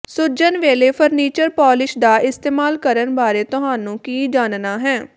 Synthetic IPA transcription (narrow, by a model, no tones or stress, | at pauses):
sʊɾd͡ʒənʋeːleːpʰəɾniːt͡ʃəɾpɔːlɪʃd̪aːʔɪst̪eːmaːlkəɾənbaːɾeːt̪ʊɦaːnũːkiːd͡ʒaːnnaːɦɛː